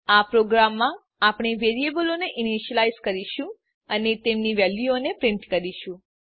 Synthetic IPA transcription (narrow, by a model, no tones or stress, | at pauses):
apɾoɡɾamːã | apɳ̃iʋeɾiebəloneʔɪniʃəlajzkəɾiʃũ | ənet̪emniʋɛljuonepɾɪ̃ɳʈkəɾiʃũ